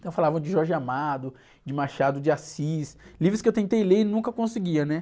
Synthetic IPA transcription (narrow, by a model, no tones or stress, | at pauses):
t̪ɐ̃w̃falavɐ̃d͡ʒɪʒɔɾʒɪamad̪ʊ | d͡ʒɪmaʃad̪ʊd͡ʒɪasislivɾʊskɪewt̪ẽnt̪ejleɾɪnũŋkɐkõsɪɡiɐnɛ